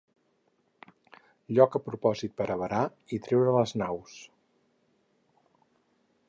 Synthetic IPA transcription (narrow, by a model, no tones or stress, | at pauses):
ʎɔkəpɾupɔzit̪̚pəɾʔəβəɾa | it̪ɾewɾələznaws